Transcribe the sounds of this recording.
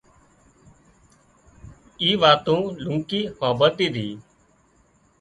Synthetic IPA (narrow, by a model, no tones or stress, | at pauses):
iːʋaːt̪õːlʊŋkiːhoːbət̪iːd̪ʱiː